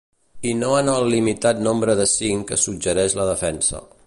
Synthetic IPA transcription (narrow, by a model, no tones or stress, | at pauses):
inoənəlːimit̪at̪nombɾəðəsiŋkəsud͡ʒəɾɛʃləðəfɛnsə̰